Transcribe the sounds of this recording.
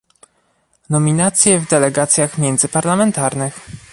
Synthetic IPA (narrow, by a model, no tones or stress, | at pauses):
nɔmʲinat̪sʲjɛvd̪ɛlɛɡat̪sʲjaxmʲjɛnd̪zɘpaɾlamɛnt̪aɾnɘx